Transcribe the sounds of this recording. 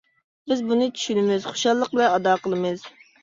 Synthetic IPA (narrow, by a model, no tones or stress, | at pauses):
bɪzbunɨt͡ʃʰy̥ʃynɪmɪz̥χo̥ʃɑlˠːəq̚bɪlɛɑd̪ɑːqəlˠɨmɨz̥